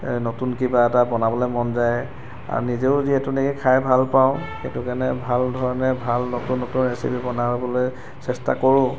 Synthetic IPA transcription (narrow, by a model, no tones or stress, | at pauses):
nɔtunkibaɛtabɔnabɔlojmɔnzaj | a̰ɹṵnizeʊziɛtunekikʰajbʱalpaʊ̃xetʊkanɛbʱaldʱɔɹɔnɛbʱalnɔtunːotunɹesḭpʰibɔnabɔloj | sɛsta̰kɔɹʊ̃